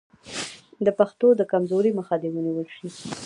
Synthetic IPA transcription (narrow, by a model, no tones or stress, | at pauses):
d̪əpaxt̪od̪əkamzoɾiməxad̪ewəniwəlʃi